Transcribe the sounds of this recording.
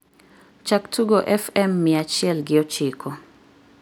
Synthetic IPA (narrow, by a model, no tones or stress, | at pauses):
t͡ʃaktʰuɡɔʔɛfɛmːiat͡ʃiɛlɡɪɔt͡ʃikʰɔ